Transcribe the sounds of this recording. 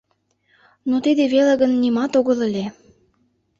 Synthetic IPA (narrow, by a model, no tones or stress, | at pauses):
not̪id̪eβelĕɣə̆nːimɑt̪oɣə̆lə̆lʲe